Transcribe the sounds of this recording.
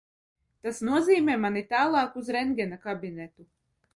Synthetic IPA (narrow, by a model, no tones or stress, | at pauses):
t̪asnuɔziːmʲɛːmanit̪aːlˠɑːkuzɾɛŋɡʲɛnakabinɛt̪u